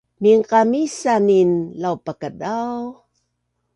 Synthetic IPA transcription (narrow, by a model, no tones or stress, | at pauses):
miŋqamisaninlawpakədaw